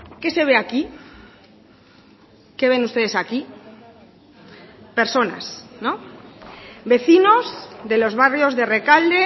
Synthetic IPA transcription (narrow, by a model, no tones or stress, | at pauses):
ke̞se̞β̞e̞aki | ke̞β̞e̞nust̪e̞ð̞e̞saki | pe̞ɾso̞na̰snõ | βe̞θino̞zðe̞lo̞zβarjo̞zðe̞re̞kald̪e̞